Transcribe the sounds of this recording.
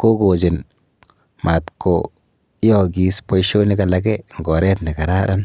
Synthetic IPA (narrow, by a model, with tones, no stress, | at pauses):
ko˦ɡo˨d͡ʒi˨n | ma˨t̪ko˨ | i˦jo˦˨ɡi˨spo˦jʃo˦ni˦ka˨la˨ɡe˦ŋ˨ɡo˨ɾe˦t̪ni˨ka˨ɾa˦ɾa˦n